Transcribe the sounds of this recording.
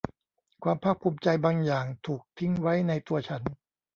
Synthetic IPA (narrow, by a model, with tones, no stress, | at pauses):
kʰwaː˧mpʰaː˥˩k̚pʰuː˧mt͡ɕa˧jbaː˧ŋjaː˨˩ŋt̪ʰuː˨˩k̚t̪ʰi˦˥ŋwa˦˥jna˧jt̪u˧ɐt͡ɕʰa˦˥n